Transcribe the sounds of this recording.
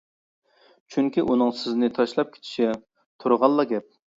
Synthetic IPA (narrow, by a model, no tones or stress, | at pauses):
t͡ʃʰyŋkʲiʔunɨŋsɪznɪt̪ʰɑʃlˠɑp̚kʲʰe̥t͡ʃ̪ʰi̥ʃɛ | t̪ʰuɾʁɑlˠːɑɡʲɛp̚